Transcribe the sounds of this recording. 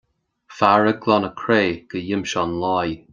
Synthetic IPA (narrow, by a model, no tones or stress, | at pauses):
faɹəɡlɔnəkʰɹeːɡ̥əjɪmʃɔnlaj